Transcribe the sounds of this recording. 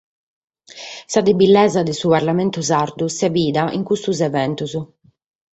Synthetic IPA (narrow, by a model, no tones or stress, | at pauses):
sad̪ebilːɛzad̪isuβaɾlamɛnt̪uzaɾd̪usɛbiːd̪aʔḭŋkust̪uzɛvɛnt̪uz